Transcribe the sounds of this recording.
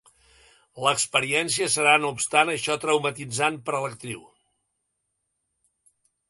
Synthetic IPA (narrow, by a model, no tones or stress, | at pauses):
ləkspəɾiɛns̬iəsəɾanoupst̪anəʃɔt̪ɾəwmət̪id͡zanpəɾələk̚t̪ɾiw